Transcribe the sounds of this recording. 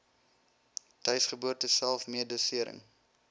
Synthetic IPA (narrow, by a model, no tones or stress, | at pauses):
tœɥsχəbuərtəsælˠfmiədusiəɾə̰ŋ